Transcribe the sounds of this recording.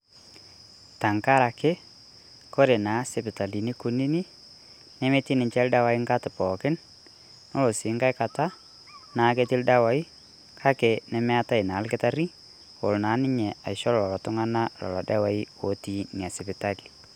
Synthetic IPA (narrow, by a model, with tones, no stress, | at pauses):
ta˨ŋka˦ɾa˨kɪ˦ | ko˦ɾe˨na˨˦sɛ˨pɪ˨ta˨li˨ni˦ku˨˦ni˦ni˦ | nɛ˦me˦ti˦nɪ˨ɲt͡ʃɛ˦lda˦wa˨i˦ŋka˦tɪ˨pɔ˨kɪ˦n | no˦lo˨sɪ˨˦ŋɡa˦jka˨ta˦ | na˨˦ke˦ti˦lda˦wa˨i˦ | kʰa˦kɛ˨nɛ˨mɛ˦a˦ta˦i˨na˨˦lkɪ˦ta˦ɾi˦ | o˨lna˨˦nɪ˦ɲɛ˨a̰˨ɪʃɔ˦lɔ˨lɔ˨lɔ˨tʊ˦ŋa˦na˦lɔ̰˨lɔ˨da˦wa˦i˦wo˦ti˨ni˨a˨sɪ˨pɪ˨ta˦li˨